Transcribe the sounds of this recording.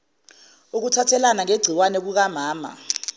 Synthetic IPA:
uk̬utʰatʰɛlanaŋeɡ͡ǀʱiwanɛɓ̬uk̬amaːma̰

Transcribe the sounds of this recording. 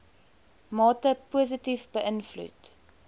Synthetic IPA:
mɑːtəpuəs̬ətifbəʔənflṵt

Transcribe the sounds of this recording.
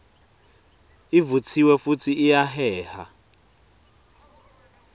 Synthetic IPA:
ivut͡sʰiwɛfutʰiːjaɦɛːha

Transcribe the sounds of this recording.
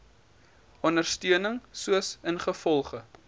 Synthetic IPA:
ɑnərstyənəŋsuəsənχəfɔlˠχə

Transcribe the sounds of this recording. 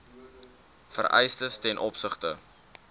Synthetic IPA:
fə̰rʔɛ̰jstəstɛnʔɔpsəχtə̰

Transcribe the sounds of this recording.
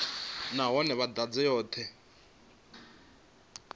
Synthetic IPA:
naɦɔnɛβad̪ad͡zɛjɔːtʰɛ

